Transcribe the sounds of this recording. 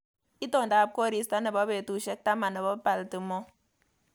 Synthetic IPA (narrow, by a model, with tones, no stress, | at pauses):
i˦to˦˨n˨da˨p̚ko˦ɾi˨sta˦ne˨ba˨˦be˨tu˨ʃe˦k̚ta˦ma˨na˨ba˦pa˨ltɨ˨mo˦